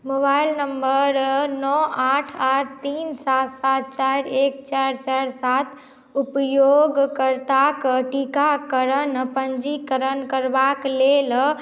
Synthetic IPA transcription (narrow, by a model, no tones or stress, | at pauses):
mobailnəmbəɾnɔaʈʰaʈʰt̪insat̪sat̪̚t͡ʃaɾekt͡ʃaɾt͡ʃaɾsat̪ | upjoɡkəɾt̪akʈikakəɾənpəɲd͡ʒikəɾənkəɾbaklel